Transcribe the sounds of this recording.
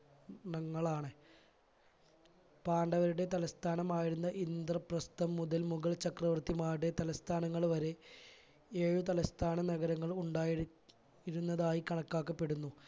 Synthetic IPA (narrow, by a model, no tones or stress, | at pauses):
nɐŋːɐɭaːɳɨ | paːɳɖɐʋɐɾuɽe̞t̪ɐlɐst̪ʰaːnɐmaːjiɾunːɐʔind̪rɐprɐst̪ɐmːuðɐlmuɣɐɭt͡ɕɐkrɐʋɐrt̪imaːjuɽet̪ɐlɐst̪ʰaːnɐŋːɐɭʋɐɾe̞ | eːɻut̪̬ɐlɐst̪ʰaːnɐnɐɣɐɾɐŋːɐɭuɳɖaːj | iɾunːɐðaːjikɐɳɐkːaːkːɐpːe̞ɽunːu